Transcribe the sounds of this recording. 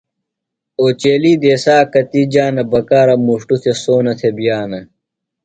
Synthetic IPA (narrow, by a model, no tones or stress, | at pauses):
oːt͡ɕeːliːd̪eːsaːkɐt̪id͡ʑaːnɐbɐkaːɾɐmuʂʈut̪ʰesoːnɐt̪ʰebjaːnɐ